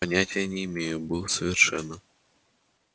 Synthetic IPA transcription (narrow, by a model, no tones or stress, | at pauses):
ɐnʲætʲɪjənʲɪːmʲejʊbɨlˠəsəvʲɪrʂɛ̰nːə